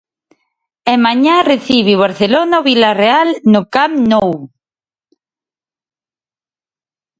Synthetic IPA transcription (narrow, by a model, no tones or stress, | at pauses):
emaɲareθiβiβaɾθelonaβilarealnʊkamnow